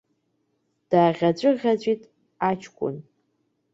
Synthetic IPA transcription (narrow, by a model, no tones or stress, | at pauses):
d̥aːʁʲat͡ɕʷʼʊʁʲat͡ɕʷʼitʼ | at͡ʃʰkʷʼʊ̰n